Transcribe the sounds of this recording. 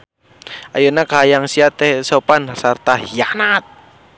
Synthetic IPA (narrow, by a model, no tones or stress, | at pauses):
ajunakaɦajaŋsiat̪esopansart̪aɦijanat̪̚